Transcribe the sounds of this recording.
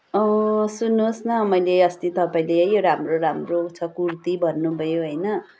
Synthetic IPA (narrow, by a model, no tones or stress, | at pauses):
ʌ̃sunːosnʌmʌjleʌst̪it̪ʌpaĩleʌjoɾamroɾamrot͡sʰʌkurt̪ibʱʌnːubʱʌjoɦʌjnʌ